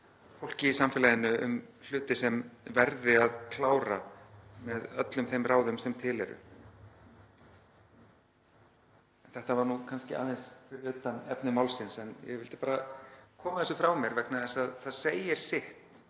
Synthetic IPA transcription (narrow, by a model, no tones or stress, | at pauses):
fowl̥cɪisamfɪlajðɪnʏʏ̰ml̥ʏːt̪ɪsɛmvɛɾðɪaðkʰlaːwɾamɛðœt̪lʏmθejmraːwðʏmsɛmt̪ʰɪːlɛ̰ɾʏ̰ | ɛnθɛht̪avaɾnukʰanscɪʔa̰ːðensfɪɾɪɾʏt̪ːanɛ̰pnɪmawlsɪnsɛnjɛ̰ɣvɪlt̪ɪ̥paːɾakʰɔːmaθɛsʏfɾawmjɛɾvɛknaðɛsaðθaðseːjɪɾ̥sɪht̪